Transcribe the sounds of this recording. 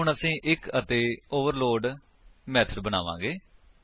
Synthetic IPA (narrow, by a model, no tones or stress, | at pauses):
ɦʊɳəsĩːʔɪkət̪eːoːʋəɾloːɖ | mɛːt̪ʰəɾbəna̰ːʋã̰ːɡeː